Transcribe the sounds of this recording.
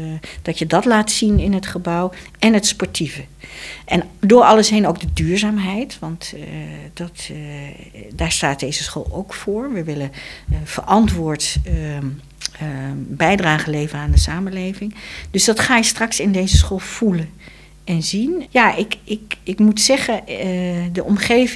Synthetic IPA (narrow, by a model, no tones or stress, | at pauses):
d̥ɑtjədɑtlaːtsinɪnɦətχəbʌwʔɛnɦətspɔɹtʰivəʔɛndʊːɹɑləsɦenowɡ̚dədyːɹzaːmɦɛjtʋɑntd̥ɑt | daːɹstaːt̚dejzəsχo̰ːlˠowkfʊːɹʋəʋɪlənv̥ə̰ɹʔɑntʋʊːɹt | bɛjdraːχəlejvənaːndəsaːməlejvɪŋdɵsdɑtχaːjəstrɑksɪndejzəsχoːlˠv̥ulən | ʔɛnzinjaːʔɪkɪkɪkmutsɛχə | dəʔɔmχejv